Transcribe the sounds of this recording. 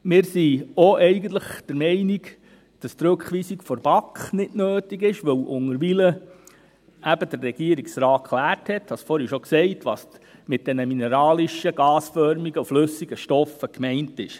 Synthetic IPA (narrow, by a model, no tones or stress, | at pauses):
mɪːɾsioʔɛɪɡən̩t̪ləχd̥əɾmɛɪniɡ | d̥ɑst̪ɾɵkχʋiːsikfɔɾb̥ɑkχnɪdnøːtiɡɪʃʋɵwʔʊŋəɾʋilə | ʔæb̥əd̥ərːɛɡ̥iəɾiksɾɑːtkʰχlæːrthɛthɑsfɔɾɛʃɔksɛɪtʋɑːsmɪt̚d̥ɛnəminɛɾɑːliʃəɡ̥ɑːsfœɾmiɡəuflɵsːiɡəʃtɔfəkmɛɪntɪʃ